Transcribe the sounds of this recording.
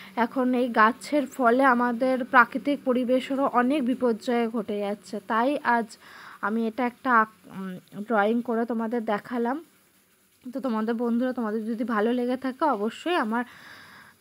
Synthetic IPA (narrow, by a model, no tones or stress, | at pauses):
ɛkʰonejɡat͡ɕʰeɾfɔleamad̪eɾpɾakɾit̪ik̚poɾibeʃoɾoʔɔnek̚bipoɾd͡ʑaeɡʱoʈed͡ʑatːɕʰet̪ajʔad͡ʑamieʈaɛk̚ʈa | ɖɾɔiŋkoɾet̪omad̪eɾd̪ɛkʰalam | t̪ot̪omad̪eɾbond̪ʱuɾat̪omad̪eɾd͡ʑod̪ʱibʱaloleɡet̪ʰakeɔboʃːojamaɾ